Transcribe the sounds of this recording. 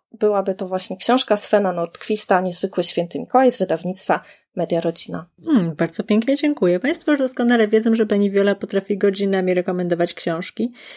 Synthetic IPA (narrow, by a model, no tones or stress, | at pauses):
bɘwabɘt̪ɔvwaɕɲɛkɕɔ̃w̃ʂkasfɛnanɔɾt̪kfʲist̪aɲɛzvɘkwɘɕfʲɛnt̪ɘmʲikɔwajzvɘd̪avɲit̪st̪fa | mɛd̪ʲjaɾɔd͡ʑina | baɾd̪zɔpʲjɛŋkɲɛd͡ʑɛŋkujɛpaj̃st̪fɔjuʐd̪ɔskɔnalɛvʲjɛd̪zɔ̃ʐɛbaɲivʲjɔlapɔt̪ɾafʲiɡɔd͡ʑinamʲiɾɛkɔmɛnd̪ɔvat͡ɕkɕɔ̃w̃ʂkʲi